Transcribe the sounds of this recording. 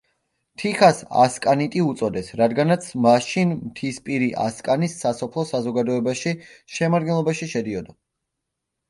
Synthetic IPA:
t̪ʰiχasa̰skʼanit̪ʼiut̪sʼɔd̪ɛsɾad̪ɡanat̪sʰmaʃinmt̪ʰispʼiɾiʔa̰skʼanisːasɔpʰlˠɔsazɔɡad̪ɔɛbaʃiʃɛmaɾd̪ɡɛnlˠɔbaʃiʃɛd̪iɔd̪a

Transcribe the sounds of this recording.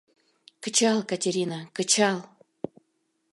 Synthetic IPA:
kə̆t͡ɕɑlˠkatʲeɾʲinakə̆t͡ɕɑlˠ

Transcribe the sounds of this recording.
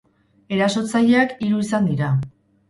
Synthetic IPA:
e̞ɾaso̞t͡saʎeakiɾuisand̪iɾa

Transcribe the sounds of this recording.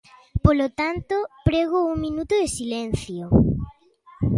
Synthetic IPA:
polot̪ant̪opɾeɣouŋmĩnut̪ʊðesilɛn̟θjo

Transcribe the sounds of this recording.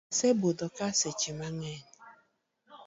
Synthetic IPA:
sebʊdɔkaset͡ʃimaŋen

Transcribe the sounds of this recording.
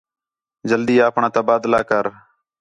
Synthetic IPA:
d͡ʒəld̪iːaːpɳãːt̪əbaːd̪laːkəɾ

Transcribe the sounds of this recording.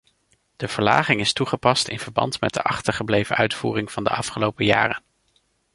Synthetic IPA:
d̥əv̥əɹla̰ːχɪŋɪstuχəpɑstɪ̰nv̥əɹbɑ̰ntmɛ̰də̰ʔɑχtəɹχəblejvənʔœɥtfuːrɪŋv̥ɑndə̰ʔɑfχəlowpəja̰ːrən

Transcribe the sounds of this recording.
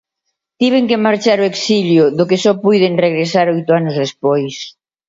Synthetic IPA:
t̪iβ̞eŋkemaɾt͡ʃaɾʊeksiʎjʊðʊkesɔpujðeŋreɣ̞ɾesaɾɔjt̪ʊanʊzðespojs

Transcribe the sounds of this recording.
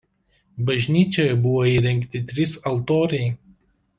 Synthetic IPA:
bɐʒʲnʲiːt͡ʃʲoːjɛbʊʋoːiːɾʲɛŋʲˑkt̪ʲɪt̪ʲɾʲɪsɐlˠt̪oːɾʲɛɪ

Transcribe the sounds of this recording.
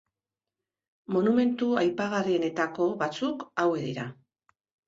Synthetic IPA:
mo̞nume̞nt̪uajpaɣariene̞t̪ako̞βat͡sukawe̞ðiɾa

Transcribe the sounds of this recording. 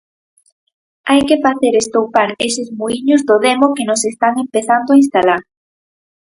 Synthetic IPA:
ajkefaθeɾest̪owpaɾesɪzmuiɲʊzðʊðemokenʊsest̪aŋempeθand̪oainst̪alaɾ

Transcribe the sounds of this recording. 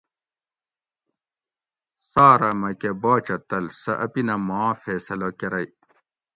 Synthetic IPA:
saːɾɐmɐkebaːt͡ɕɐt̪ɐlsɐʔɐpinɐmãːfeːsɐlokeɾɐj

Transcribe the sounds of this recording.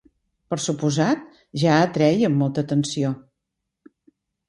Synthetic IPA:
pəɾsupuzat̪̚ | ʒaət̪ɾɛjəmːolˠt̪ət̪ənsio

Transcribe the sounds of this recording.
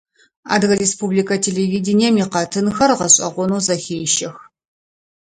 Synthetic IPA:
a̰ːdɣɐɾespublikʰɐtʰeleviːdɪniɛmiːqɐtʰɨnxɐrʁɐɕʼɐ̰ʁʷɔnuːzɐxʲeːjʃɐx

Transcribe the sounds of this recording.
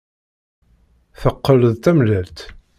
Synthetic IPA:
θəqːələðt̪æmlælt̪

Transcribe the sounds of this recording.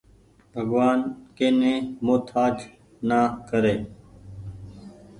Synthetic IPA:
bʱəɡʋaːnkeːnẽːmoːt̪ʰaːd͡ʒ | naːkəɾeː

